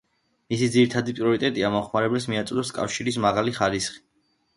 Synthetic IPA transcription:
misid̪ziɾit̪ʰad̪ipʼɾiɔɾit̪ʼɛt̪ʼiamɔχmaɾɛbɛls̬miat̪sʼd̪ɔskʼa̰fʃiɾismaʁaliχaɾisχi̥

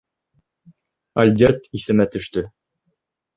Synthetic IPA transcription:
ɐlʲd̪ʲet̪iθɘ̆mæt̪ɵ̆ʃt̪ɵ

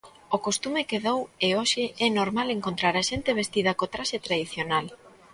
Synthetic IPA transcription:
okost̪umekeðoweoʃɪɛnoɾmaleŋkont̪ɾaɾaʃent̪eβ̞est̪ið̞ɐkot̪ɾaʃet̪ɾaðiθjonal

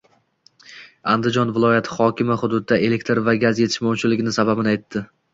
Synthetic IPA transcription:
and̪ɪd͡ʒɒnvɪlˠɒjat̪ʰχɒkʲɪmaχʊd̪ʊd̪ɪd̪ae̞lekʲt̪ʰɾvaɡʲazje̞t̪ʰɪʃmɒwt͡ʃʰɪlɪɡʲɪnɪsababɪnɪajt̪ʰːɪ

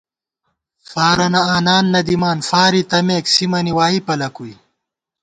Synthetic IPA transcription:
faːɾɐnɐaːnaːnːɐd̪imaːnfaːɾit̪ɐmeːksimɐniwaːipɐlɐkuj

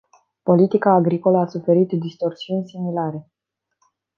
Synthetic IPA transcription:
po̞lit̪ikaːɡɾiko̞ləasufe̞ɾit̪d̪ist̪o̞rsiunʲsimilaɾe̞

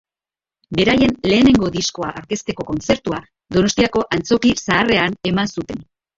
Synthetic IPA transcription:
be̞ɾaje̞nle̞ːne̞ŋɡo̞ðisko̞aʔaɾke̞st̪e̞ko̞ko̞nt͡se̞ɾt̪ua | d̪o̞no̞st̪iako̞ʔant͡so̞kisaːre̞ane̞mansut̪e̞n

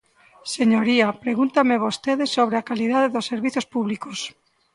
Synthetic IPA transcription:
seɲoɾiapɾeɣunt̪ameβost̪eðesoβɾeakaliðaðeðosːeɾβiθospuβlikos

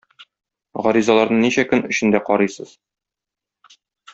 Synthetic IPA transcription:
ʁɒɾizɑlˠɑɾnɤɴniɕækɵnɵ̆ɕɘ̆nd̪æqɒɾɤjsɤz̥

